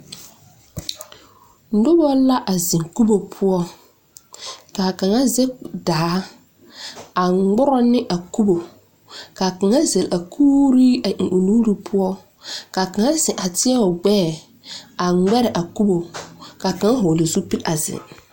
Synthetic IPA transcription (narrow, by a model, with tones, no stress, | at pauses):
n̩˦dʊ˦bɔ˦la˦ʔa˨zɪ˨ŋku˦bo˨pʰʊ˦ɔ˦ | ka˨ka˨ŋa˦zɛ˦daː˨˦ | a˨˦ɡ͡bʊ˦ɾɔ˦nɪ˦ʔa˨ku˦bo˨ | ka˨ka˨ŋa˦ze˨la˨kʰuː˦ɾi˦a˨u˨nuː˦ɾi˦pʰʊ˦ɔ˦ | ka˨ka˨ŋa˦sɪ˨ʔa˨tɪ˦ɛ˦ɔ˨ɡ͡bɛː˦˨ | a˨˦ɡ͡bɛ˦ɾɪ˨ʔa˨ku˦bo˨ka˨ka˨ŋa˦ɦʊ˨le˨zu˦pi˦la˨zɪ̰˨ŋ